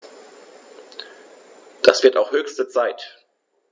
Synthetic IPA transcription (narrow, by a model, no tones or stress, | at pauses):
d̥asv̥ɪɐtaʊxhøːçstət͡saɪt